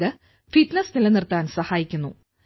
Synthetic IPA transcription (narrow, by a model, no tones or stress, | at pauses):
ɨ | fit̪nesnilenirt̪ːaːnsɐhaːjikʲːunːu